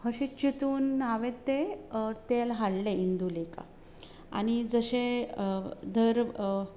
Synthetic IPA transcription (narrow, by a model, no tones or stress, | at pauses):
həɕit͡ɕit̪uːnɦaʋet̪et̪elɦaɽleind̪uleka̰ | a̰ñid͡zəɕe | d̪ʱəɾ